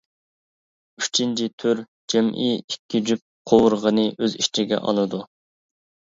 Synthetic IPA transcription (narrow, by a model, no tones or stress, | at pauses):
yt͡ʃʰint͡ʃʰit̪ʰyɾ | d͡ʒɛmḭikʲʰːid͡ʒyp̚qʰowʊɾʁənɨʔøziʃt͡ʃʰiɡʲɛ̰ʔɑ̰lˠɨd̪u